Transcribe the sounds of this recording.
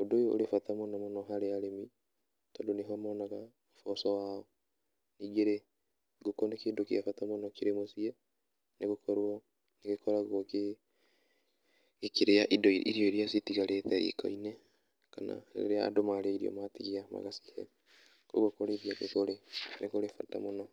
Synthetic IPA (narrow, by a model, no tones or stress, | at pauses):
odojoo̰ɾefatamonɔmonɔɦaɾeaɾemi | tɔdoneɦɔmɔnaɣa | fɔsɔwaɔ | niːɡeɾe | ɡokonekeːdokiafatamonɔkeɾemosiɛ | neɣokʰɔɾwɔ | neɣekʰɔɾaɣoke | keɾeaʔidḭɾiɔiɾiasitiɣaɾetɛḭkʰɔ̰inɛ | kana̰ḛɾea̰domaɾaiɾiɔ̰matiɣeama̰ɣasi̥hɛ̰ | ko̰ɣokoɾeðiakekoɾenekoɾefata̰monɔ